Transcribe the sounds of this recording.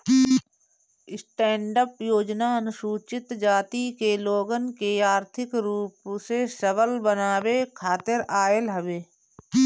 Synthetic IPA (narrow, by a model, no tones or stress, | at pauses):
ɪsʈɛ̃ːɳɖəpjoːd͡ʒnaənʊʃuːt͡ʃɪt̪d͡ʒaːt̪ikeloːɡənkeaːɾt̪ʰɪkɾuːpsesəʋəlbənaːwekʰaːt̪ɪɾaːelɦəʋeː